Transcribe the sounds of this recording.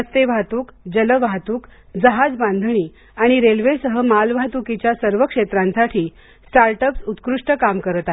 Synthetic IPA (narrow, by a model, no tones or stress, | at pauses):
əst̪eʋʱat̪uːkd͡ʑələʋat̪uːk | d͡zəɦad͡zbãnd̪ʱəñiː | aɽ̃iɾelʋesəɦəmalʋʱat̪ukit͡ɕjasəɾʋəkʂet̪ɾãnsaʈʰiː | sʈaɾʈəpsut̪kɾuʂʈəkamkəɾət̪a